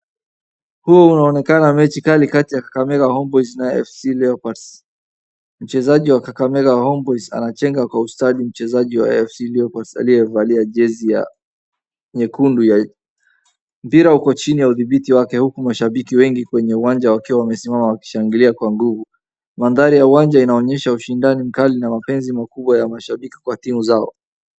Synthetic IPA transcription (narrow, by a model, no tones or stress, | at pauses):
huɔunaɔnɛkanamɛt͡ʃikalikatijakḁkamɛkahɔmbɔjznaɛ̰fsiliɔpas | m̩t͡ʃɛzaʄiwakakamɛɣahɔmbɔjza̰nat͡ʃɛŋɡakwaustaɗim̩t͡ʃɛzaʄiwa̰ɛfsiliɔpaɾsa̰lijɛvaliaʄɛzija̰ | ɲɛkunduja | m̩piɾahukɔt͡ʃinijauðiɓitiwakɛhukumaʃaɓikiwɛŋɡikwɛɲɛuwand͡ʒawakiwawamɛsimamawaki̥ʃaŋɡiliakwaŋɡuvu | manðaɾijauwand͡ʒainaɔɲɛʃauʃindanim̩kalinamapɛnzimakuɓwajamaʃaɓiki̥kwatimuzaɔ̰